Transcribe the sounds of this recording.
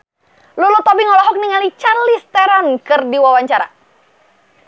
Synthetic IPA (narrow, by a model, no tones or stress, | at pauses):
lulut̪ɔbiŋɔlɔɦɔk̚niŋalit͡ʃalist̪ɛɾankɨrdiwawaɲt͡ʃaɾa̰